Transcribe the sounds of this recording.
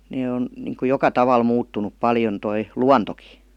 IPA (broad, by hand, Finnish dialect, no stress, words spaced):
neː on niŋku jokɑ tɑʋɑl muːtːunup pɑljon toi luɑntoki